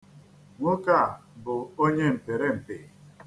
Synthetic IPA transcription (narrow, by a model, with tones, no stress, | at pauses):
ŋʷʊ˦ka˦˨bʊ˨o˦ɲe˦m̩˨pe˨ɾe˦m̩˨pe˨